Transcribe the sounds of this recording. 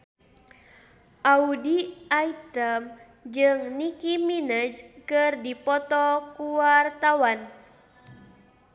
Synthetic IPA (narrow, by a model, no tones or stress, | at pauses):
ʔaudiait̪əm | d͡ʒɨŋnikiminəd͡ʒkɨrdipɔt̪ɔkuwart̪awan